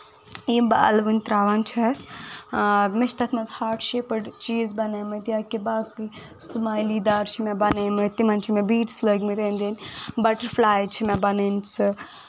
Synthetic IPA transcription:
jimbaɐ̰lʋunʲt̪ɾaːʋant͡ʃʰɐs | meʃʰt̪ʰɐt̪ʰmɐnzhaːɾʈʰʃepɐɖt͡ʃiːzbɐnemɨt̪ijakibaːkɨ | sumaːjliːd̪aːɾt͡ʃʰimɛ̃bɐnemɐt̪imɐnt͡ʃʰimɛ̃biːʈsləɡmiɾeːnd̪enʲbɐʈɐɾflaːjt͡ʃʰimɛ̃bɐnent͡sʰɨ

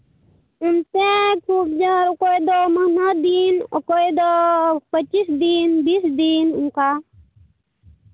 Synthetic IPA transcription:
unt̪ekʰubd͡ʒaɾukojd̪omənad̪inɔ̰kojd̪opət͡ʃːisd̪inbisd̪inuŋka

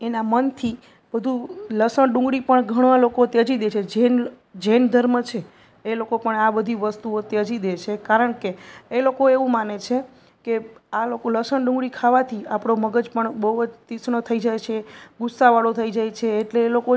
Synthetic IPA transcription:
enamənt̪ʰi | bəd̪ʱuləsəɳɖũŋɡɽipəɳɡʱəɽ̃ãlokot̪jəd͡ʒid̪et͡ʃʰed͡ʒen | d͡ʒend̪ʱəɾmət͡ʃʰeː | lokopəɳabəd̪ʱiʋəst̪uot̪jəd͡ʒid̪et͡ʃʰekaɾəɳkeːlokoeʋũmanet͡ʃʰe | kealokoləsəɳɖũŋɡɽikʰaʋat̪ʰiapɽ̃oməɡəd͡ʒpəɳbəɦubəd͡ʒt̪isɳət̪ʰəid͡ʒajt͡ʃʰeɡʊsːaʋaɽot̪ʰəid͡ʒajt͡ʃʰeːʈleːloko

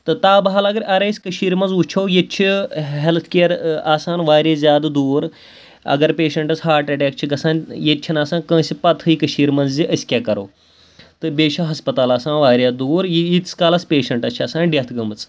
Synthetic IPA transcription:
t̪ɨt̪aːbɐɦɐlɐɡɐɾʔɐɾeːsʲkəʃiːɾmɐnzut͡ʃʰoːjet͡ʃʰiɦelt̪ʰkeːɾaːsaːnʋaːɾʲaːzʲjaːd̪d̪uːɾ | ɐ̰ɡɐɾpeːʃɐɳʈɐsɦaːʈɐʈʲaːk̚t͡ʃʰiɡɐsaːnjett͡ʃʰinaːsaːnkə̃ːsʲipɐt̪ʰɨjikɐʃiːɾmɐnzziʔɐsʲkʲaːkɐɾo̰ː | t̪ɨbʲeːʃɐɦɐspɐt̪aːlaːsaːnʋaːɾʲjaːd̪uːɾjit̪ʲskaːlɐspʲeːʃɐɳʈɐt͡ʃʰaːsaːnɖʲɐt̪ʰɡɐmɨt͡s

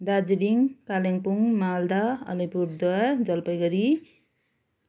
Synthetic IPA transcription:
d̪ad͡ziɾiŋkaleŋpuŋmald̪aʌ̰lipuɾd̪waɾd͡zʌlpʌjɡʌɾi

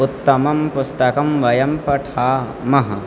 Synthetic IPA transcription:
ut̪ːɐmɐmpʊst̪ɐkɐmʋɐjɐmpɐʈʰaː | mɐɦɐ

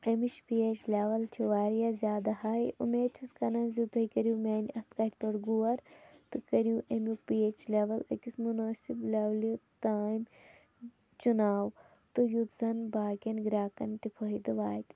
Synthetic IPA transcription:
emit͡ʃpiet͡ʃlʲeːʋɐlt͡ʃʰiʋaːɾijazʲjaːd̪ɐhaːjʔṵmeːt͡ʃʰuskɐnɐnzit̪ʰɐikɐɾjuːmʲeːnʲɐxt̪kɐt̪ʰʲpɐɾɡuwɐɾt̪ɨkɐɾjuʔemjuk̚piet͡ʃleʋɐlɐ̰kismunaːsibleʋlit̪aːim | t͡ʃunaːw | t̪ɨjut̪zɐnbaːkʲɐnɡɾʲaːkɐnt̪ipʰoɦid̪ɨʋaːt̪

